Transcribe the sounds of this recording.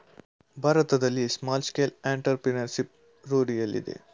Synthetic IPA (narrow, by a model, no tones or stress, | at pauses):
bʱaɾɐt̪ɐd̪ɐlːismaːlskeːleɳʈɐɾpɾinɐɾʃip̚ | ɾoːɽijɐlːḭd̪ḛ